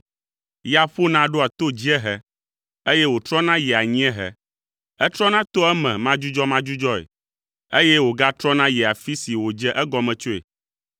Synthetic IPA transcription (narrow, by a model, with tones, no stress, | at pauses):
ja˦ɸo˦nã˦ɖo˦a˨t̪o˦d͡ʑi˦ɛ˦ɦɛ˨ | e˦jɛ˦wo˨t̪ɾɔ˦nã˦jɛ˨a˨ɲĩ˦ɛ̃˦ɦɛ˨ | ɛ˦t̪ɾɔ˦nã˦t̪o˦ɛ˦mɛ̃˨mã˦d͡ʒu˦d͡ʒɔ˦mã˦d͡ʒu˦d͡ʒɔ˦ḛ˨ | e˦jɛ˦wo˨ɡa˦t̪ɾɔ˦nã˦jɛ˨a˨fi˦si˨wo˨d͡ʒɛ˦ʔɛ˦ɡɔ˨mɛ̃˨t͡ʃo˦ḛ˨